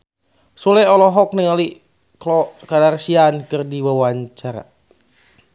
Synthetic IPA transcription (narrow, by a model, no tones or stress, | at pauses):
sulɛɔlɔɦɔk̚nəŋali | klɔkadarsiankɨrdiwawaɲt͡ʃaɾa̰